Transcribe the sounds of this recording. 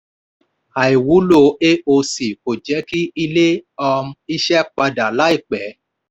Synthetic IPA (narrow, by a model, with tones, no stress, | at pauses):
a˨i˨wu˨˦lo˧˨˦e˦o˧si˨ko˨d͡ʒɛ˨˦ki˦i˧le˦ɔ˧m̃˧˦i˦ʃɛ˦k͡pa˧da˨la˨˦i˦˨k͡pɛ˨˦